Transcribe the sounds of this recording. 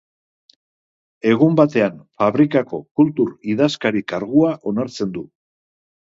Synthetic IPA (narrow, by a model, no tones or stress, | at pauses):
e̞ɣ̞umbat̪e̞anfaβɾikako̞̰kult̪uɾiðaskaɾikaɾɣuaʔo̞naɾt͡se̞nd̪u